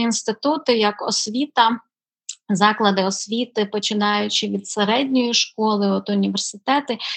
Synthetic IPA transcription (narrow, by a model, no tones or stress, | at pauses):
inst̪ɪt̪ut̪ɪjɐkɔ̰sʲʋʲit̪ɐ | zɑklˠɐd̪ɪɔsʲʋʲit̪ɪpɔt͡ʃɪnɑjʊt͡ʃɪʋʲid̪seɾɛdʲnʲɔjiʃkɔlˠɪɔt̪ʊnʲiʋersʲɪt̪ɛt̪ɪ